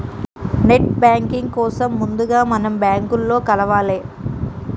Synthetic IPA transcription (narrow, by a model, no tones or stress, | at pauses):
neʈbjaːŋkiŋɡ̚kɔːsɐmːund̪uɡaːmɐnɐmbjaːŋkulːo̞ːkɐlɐʋaːleː